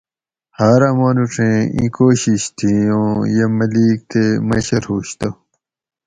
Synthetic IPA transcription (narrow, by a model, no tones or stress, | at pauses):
haːɾamõnuʈ͡ʂʰẽḭ̃koːɕiɕt̪ʰiõjemɐliːk̚t̪ʰemɐɕɐɾhuːɕt̪o